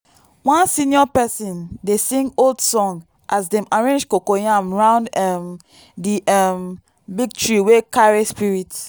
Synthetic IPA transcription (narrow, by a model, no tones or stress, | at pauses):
wãnsĩniɔpɛsɔ̃ndesĩŋɡoldsɔ̃ŋ | ʔasdɛ̃maɹẽnd͡ʒkokojãmɹãʊ̃ndɛm | diʔam | biɡ̚tɹiwekaɹespiɹit